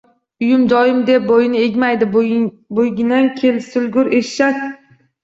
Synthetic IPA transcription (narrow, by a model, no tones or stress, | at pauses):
ʊjʊmd͡ʒɒjɪmd̪e̞p̚bojɪnɪe̞ɡʲmajd̪ɪ | bojɡʲɪnankʲʰe̞lsʊlɡʊɾeʃːat̪